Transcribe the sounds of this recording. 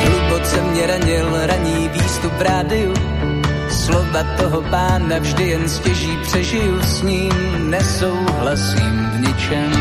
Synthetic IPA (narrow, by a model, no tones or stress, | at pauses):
ɦlubot͡sɛmɲɛɾaɲɪlɾaɲiːviːst̪upɾaːdɪju | slo̞vat̪oɦopaːnavʒdɪjɛnscɛʒiːpr̝̥ɛʒɪjusɲiːm | nɛso̞wɦlasiːmvɲɪt͡ʃɛm